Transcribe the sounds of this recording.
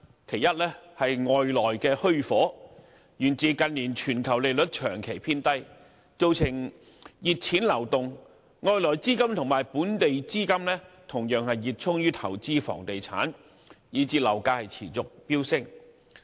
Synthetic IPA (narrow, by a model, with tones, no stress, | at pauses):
kʰe˨˩jɐ˥t̚lɛː˥hɐ˨jŋɔː˨jlɔː˨˩jkɛː˧hɵ˥ɥfɔː˨˥ | jyː˨˩nt͡siː˨˧kɐ˧nliː˨˩nt͡ʃʰyː˨˩nkʰɐ˨˩wle˨˧lɵ˨˥t̚t͡ʃʰœː˨˩ŋkʰe˨˩jpʰiː˥nt̪ɐ˥j | t͡so˧wt͡sʰɪ˨˩ŋ | jiː˨t̚t͡sʰiː˨˥nlɐ˨˩wt̪ʊ˨ŋː | ŋɔː˨˧jlɔː˨˩jt͡siː˥kɐ˥mt̪ʰʊ˨˩ŋmaː˨˩jpuː˨˥nt̪e˨jt͡siː˥kɐ˥mlɛː˥t̪ʰʊ˨˩ŋjœː˨ŋhɐ˨jːiː˨˩t̚t͡sʰʊ˥ŋjyː˥t̪ʰɐ˨˩wt͡siː˥fɔ̰ː˨˩ŋt̪e˨jt͡sʰa̰ː˨˥n | jiː˨˧t͡siː˧lɐ˨˩wkaː˧hɐ˨jt͡sʰḭː˨˩t͡sʊ˨k̚piː˥wsɪ˥ŋ